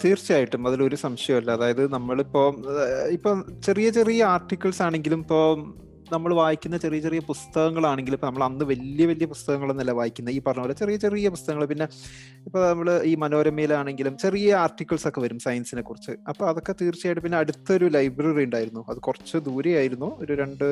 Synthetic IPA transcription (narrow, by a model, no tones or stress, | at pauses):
t̪iːrt͡ɕːijaːjiʈːumɐðilo̞ɾusɐmɕɐjɐmɐlːɐːðaːjɐðɨnɐmːɐɭipːo̞ːipːoːt͡ɕe̞rijɐt͡ɕe̞rijɐaːrʈːikʲːɐɭsaːɳe̞ŋɡilumipːoː | nɐmːɐɭʋaːjikʲːunːɐt͡ɕe̞rijɐt͡ɕe̞rijɐpust̪ɐɣɐŋːɐɭaːɳeŋɡiluipːonɐmːɐɭɐnːɨʋɐlijɐʋɐlijɐpust̪ɐɣɐŋːɐɭumnɐlːɐʋaːjikʲːunːɐiːpːɐrɐɲɐmːlːɐt͡ɕe̞rijɐt͡ɕe̞rijɐpust̪ɐɣɐŋːɐɭpinːe̞ | ipːonɐmːɐɭiːmɐnoːɾɐmːeːlaːɳe̞ŋɡilumt͡ɕe̞rijɐaːrʈːikʲːɐɭso̞kːe̞ʋɐɾumsɐjɐnsinekːurit͡ɕːɨɐpːoːɐðo̞kːe̞t̪iːrt͡ɕːijaːjʈːɨp̬inːe̞ɐɽut̪ːɐoɾulɐjbrɐriuɳɖaːjiɾunːuɐðɨkurɐt͡ɕːɨd̪uːɾɐjaːjiɾunːuoɾuɾe̞ɳɖɨ